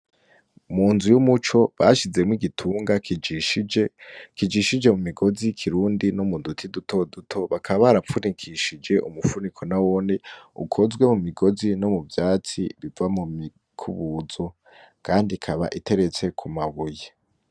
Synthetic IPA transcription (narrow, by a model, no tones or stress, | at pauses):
muːnzujumut͡ʃo̞βaʃize̞mwiɡitʰuːŋɡa | kid͡ʒiʃid͡ʒe̞mumiɡo̞zikʰiɾuːndinomudutʰidutʰo̞dutʰo̞βakʰaβaβaɾafunikʰiʃid͡ʒe̞ʔumufunikʰo̞nawoːniṵkʰo̞zɡwe̞mumiɡo̞zino̞muvjaːt͡sḭβivamui | kʰuβuːzo̞ | kʰaːndikʰaβa̰ʔite̞ɾe̞t͡se̞kʰumaβuje